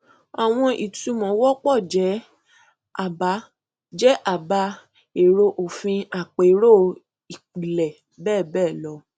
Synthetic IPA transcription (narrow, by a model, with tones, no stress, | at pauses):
a˨w̃ɔ̃˧ʔi˨tu˨˧mɔ̃˨˦wɔ˦k͡pɔ˦˨d͡ʒɛ˨˦ | a˦˨ba˨˦ | d͡ʒɛ˦ʔa˨ba˧ | e˨ɾo˧ʔo˨fĩ˧a˨k͡pe˨˦ɾo˦˨ | i˨k͡pi˨lɛ˨ | bɛː˦˨bɛː˦˨lɔ˧˦